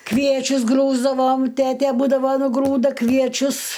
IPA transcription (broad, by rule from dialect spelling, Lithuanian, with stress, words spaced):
ˈkʋʲiɛt͡ʃʲʊs ˈɡruːzdɐʋoːm ˈtʲæːtʲɛ ˈbuːdɐʋɐ nʊˈɡruːdɐ kʋʲiɛˈt͡ʃʲʊs